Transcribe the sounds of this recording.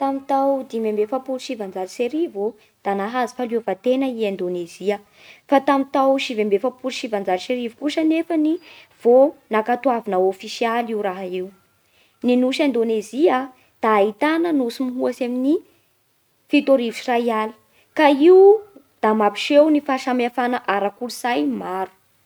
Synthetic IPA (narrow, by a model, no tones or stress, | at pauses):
t̪amit̪awd̪imembefapuluʃivand͡zalseɾivo | d̪̥anaɦazi̥faluafat̪enəiend̪oneziə | fat̪amit̪awʃivembefapuluʃivand͡zalʃeɾivi̥kuʃənefəni | v̥onakat̪uavinəofisialiuɾaɦaiw | ninuʃend̪onezia | d̪̥aːit̪anənusimiɦuasamini | fit̪oɾivusirajali̥ | kaiu | d̪̥amapi̥ʃewnifaʃamafanaʔaɾakuluzajmaɾu̥